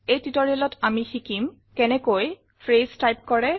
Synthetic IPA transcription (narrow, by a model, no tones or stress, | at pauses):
ejtitɔɹiɔlɔtʰamixikim | kɛnɛkoj | pʰɹestajp̚kɔɹɛ